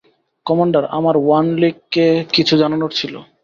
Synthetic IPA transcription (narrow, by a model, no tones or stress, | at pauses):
kɔmaɳɖaɾamaɾwanliɡːekit͡ɕʰud͡ʑananoɾt͡ɕʰilo̰